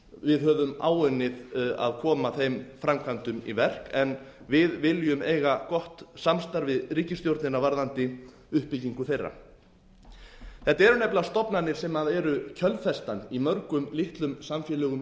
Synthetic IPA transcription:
vɪðɦœːvʏma̰ːwʏnːɪða̰ðkʰɔːmaθejmfɾamkʰant̪ʏmḭvɛr̥kɛn | vɪðvɪljʏmejɣakɔht̪samst̪aɾvɪðɾiːcɪst̪jowɾt̪nɪnavaɾðant̪ɪ | ʏhpːɪciŋkʏθejrːa̰ | θɛht̪aɛɾʏnɛplast̪ɔpnanɪ̥sɛmaðɛɾʏcʰœlfɛst̪animœɾkʏmlɪht̪lʏmsamfjɛlœːɣʏm

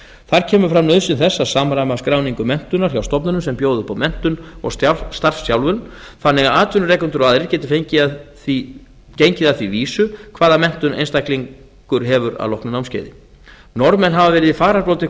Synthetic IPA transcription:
θaɾ̥cʰɛːmʏɾfɾamnœðsɪnθɛsːasaːmɾamaskɾaːwniŋkʏmɛn̥t̪ʏnːaɾ̥çjawst̪ɔpnʏnʏmsɛmpjoːwðʏpʰawmɛn̥t̪ʏnɔ̰ɣsst̪arfsjawlvʏln | θanːɛɣaaːt̪ʰʏnʏrɛːkʏnt̪ʏɾvaːðɾɪɾcɛːt̪ɪfejɲcɪ | i | cejɲcɪðaθviviːsʏkʰv̥aːðamɛn̥t̪ʏnḛjnst̪ajkliŋ | kʏɾɦɛvʏɾa̰ðlɔwhknʏnawmscḛjðɪ̰ | nɔɾmɛnɦavavɛːɾɪðifaːɾapɾowlt̪ɪ

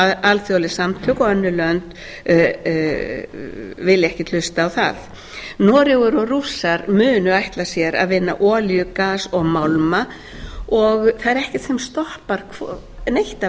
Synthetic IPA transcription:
alθjowlɪsamt̪ʰʏkɔœnːʏlœnt̪ | vɪlːɛhcɪ̥t̪lʏst̪aːwθa̰ð | nɔːɾjɪɣʏɾɔrusaɾmʏːnʏajht̪lḁsjɛɾa̰ðvɪnːa̰ʔɔːljʏkaːsɔɣmawlma | ɔɣθaðɛɾɛhcɛ̥t̪sɛmst̪ɔhpaɾkʰv | nejht̪a

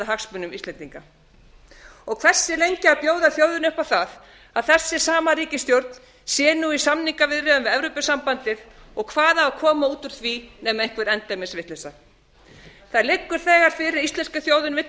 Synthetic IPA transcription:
aɦaksmʏnʏmist̪lɛnt̪iŋka | ɔɣkʰv̥ɛr̥sːɪlejɲcɪaðpjoːwðaθjoːwðʏnʏhpawθað | aðθɛsːɪ̥saːmaɾiːcɪst̪jowɾt̪n̥ | sjɛːnuisamniŋkavɪðrɛðʏmvɪðɛvɾopʏsampant̪ɪðɔɣkʰvaːðaːkʰɔːmauːt̪ʏɾ̥θvinɛmejŋ̥kvɛɾɛnt̪amɛsvɪht̪lɛsa | θaðlɪkːʏɾ̥θɛːɣaɾ̥fɪɾɪɾist̪ɛnskaθjoːwðʏnvɪht̪

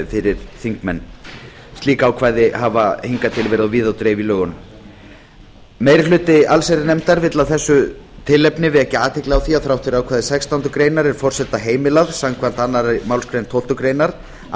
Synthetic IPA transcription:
fɪɾɪɾ̥θiŋkmɛnː | st̪liːkaːwkʰvaːjðɪɦavahiŋkat̪ʰɪlvɛɾɪðawviːðawt̪ɾeːjvilœːɣʏnm | meːjɾɪlʏːt̪ɪalsejɾɪnɛmt̪aɾvɪt̪lawθɛsːʏt̪ʰɪlːɛpnɪvɪðɛhcɪaːt̪ʰɛjklɪawθiaθɾawht̪ʏɾawkʰvaːðɪsɛkst̪awnt̪ʏkɾeːjnaɾɛɾ̥fɔr̥sɛt̪ːaɦeːjmɪlavsawmkʰvan̥t̪anːaɾamawlskɾejnt̪ʰowlt̪ʏkɾejnaɾ̥

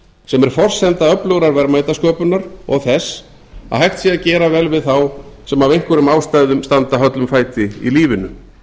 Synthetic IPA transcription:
sɛmɛɾ̥fɔr̥sɛnt̪aœplœɣɾaɾvɛɾmajt̪askœːpʏnaɾɔ̰ɣθɛs | a̰ðhajxt̪siaðcɛːɾavɛlvɪðθawsɛmavejŋkvʏɾʏmaːwst̪ajðʏmst̪ant̪aɦœt̪lʏmfaːjt̪ɪḭliːvɪnʏ

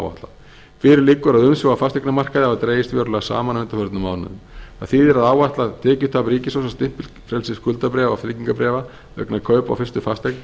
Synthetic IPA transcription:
wa̰ht̪la̰ | fɪɾɪɾlɪkːʏɾaðʏmsɔɣafast̪ɛknamar̥kaðɪhavat̪ɾeːjɪst̪vɛːɾʏlaɣsa̰ːmanʏnt̪afœɾt̪nʏmaːwna̰ðʏma̰ðθiːðɛɾaðaːwvaht̪lat̪ʰɛːcʏ̥t̪ʰaːpɾiːcɪsowsast̪ɪhpɪl | fɾɛlsɪskʰʏlt̪apɾɛːvaflɪciŋkapɾɛːva | œ̰knakʰœːɥpa̰wfɪrst̪ʏfast̪ɛkn

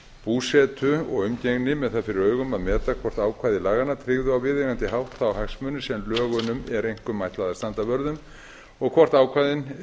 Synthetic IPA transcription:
puːsɛt̪ʰʏɔɣʏmceɣnɪmɛðθaðfɪɾɪɾœːɥɣʏmaðmɛːt̪akʰvɔr̥t̪aːwkʰvaːjðɪlaːɣanat̪ʰɾɪɣðʏawvɪðɛɣant̪ɪɦawht̪θaːwhaksmœːnʏsɛmlœːɣʏnʏmɛɾejŋ̥kʏmːajht̪laːðast̪ant̪avœɾðʏm | ɔɣkʰvɔr̥t̪aːwkʰvajðɪn

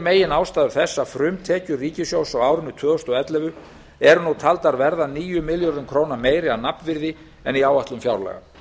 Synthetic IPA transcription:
meːjɪnaːwst̪aːðʏɾ̥θɛsːafɾʏmt̪ʰɛːcʏriːcɪsjowsawaːwɾʏnːʏt̪ʰvœːɔst̪ɔɛt̪lɛvʏ | ɛɾʏnut̪ʰalt̪aɾvɛɾðaniːjʏmɪljɔɾðʏmkʰɾownameːjɾɪanapnvɪɾðɪ | ɛniaːwaht̪lʏmfjawɾlɛ̰ɣa̰

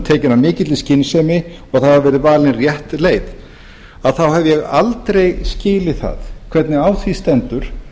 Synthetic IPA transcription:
t̪ʰɛːcɪnamɪːcɪt̪lɪscɪnːsɛmɪ | ɔɣaθaðhavɛːɾɪvaːlɪnrjɛht̪leːjð | aðθawhavjɛɣalt̪ɾejscɪːlɪθa̰ðkʰv̥ɛt̪nɪaːwθvist̪ɛnt̪ʏɾ̥

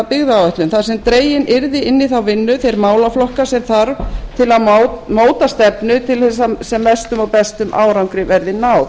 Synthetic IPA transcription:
apɪɣðaawɛht̪lʏmθað̥sɛmt̪ɾeːjɪnʔɪɾðɪɪnːɪθawvɪnːʏθejɾmaːwlaflɔhkasɛmθaɾvt̪ʰɪlaðmoːwt̪ast̪ɛpnʏt̪ʰɪlθɛs̬asɛmːɛst̪ʏmawpɛst̪ʏmʔa̰ːwɾawŋkɾɪvɛɾðɪnaːw

